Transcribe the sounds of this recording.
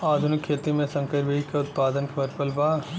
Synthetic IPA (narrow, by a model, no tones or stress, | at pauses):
aːd̪ʱʊnɪkʰːeːt̪imẽsɐ̃ŋkəɾbʱikeʊt̪̚paːd̪ənkʋɐɾpəlbaː